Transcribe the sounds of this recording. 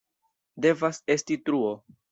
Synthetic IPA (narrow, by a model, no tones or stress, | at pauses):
de̞vase̞stitɾuo